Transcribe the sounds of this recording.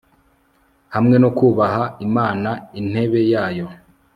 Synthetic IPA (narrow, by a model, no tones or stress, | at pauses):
hamŋe̞nokuːβaɦaimaːnain̥he̞βe̞jaːjo̞